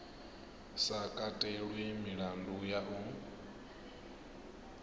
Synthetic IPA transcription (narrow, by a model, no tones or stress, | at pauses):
sakʼatʼɛɺwemiɺandujaʔu